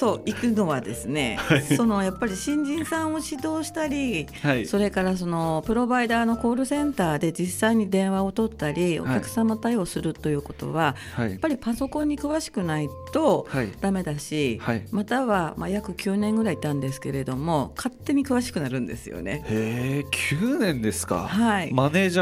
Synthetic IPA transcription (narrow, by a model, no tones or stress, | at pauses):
t̪o̞ʔikɯ̟no̞βad̪e̞sɨne̞̰so̞no̞japːaɾʲiɕĩɲ̟d͡ʑĩɰ̃sãɰ̃o̞ɕid̪o̞ːɕi̥t̪aɾʲi | so̞ɾe̞kaɾas̬o̞no̞pɯ̟ɾo̞baid̪aːno̞ko̞ːɾɯ̟sẽ̞nt̪aːd̪e̞d͡ʑisːaiɲ̟id̪ẽ̞ɰ̃βao̞t̪o̞t̪ːaɾʲio̞̰kʲakɯ̟̥samːat̪aio̞ːsɨɾɯ̟t̪ːo̞jɯ̟ːko̞t̪o̞̰βa | japːaɾʲipaso̞kõ̞ɲ̟ːikɯ̟βaɕi̥kɯ̟nait̪o̞d̪̥ame̞d̪aɕihamat̪aβamajakɯ̟kʲʰɨːnẽ̞ŋɡɯ̟ɾait̪ãnd̪e̞sɨ̥ke̞ɾe̞d̪o̞mo̞kat̪ːe̞ɲ̟ikɯ̟βaɕi̥kɯ̟naɾɯ̟̃nd̪e̞̰sɨjo̰ne̞̰ekʲʰɨːnẽ̞nd̪e̞sɨ̥ka̰haimane̞ːʑa